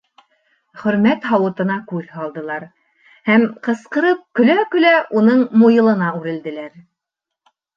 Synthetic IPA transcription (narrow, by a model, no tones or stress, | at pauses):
χɵ̆ɾmæt̪ɦɑwɤ̆t̪ɤ̆nɑkʉðhɑlˠd̪ɤ̆lˠɑɾ | hæmqɤ̆sqɤ̆ɾɤp̚kɵ̆lækɵ̆læʔunɤɴmujɤ̆lˠɤ̆nɑʉɾɘ̆ld̪ɘ̆læɾ